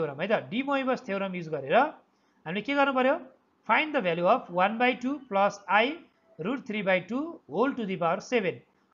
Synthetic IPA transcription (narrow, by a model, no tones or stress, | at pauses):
eɾʌmɦʌjt̪ʌɖimoibʌst̪ʰewɾʌmjud͡zɡʌɾeɾʌ | ɦamilekeɡʌrnupʌɾjo | pʰajnd̪ʌbʱaljuʌpʰwanbajʈuplʌsaj | ruɖt̪ʰribajʈuɦolʈud̪ipawsebʱen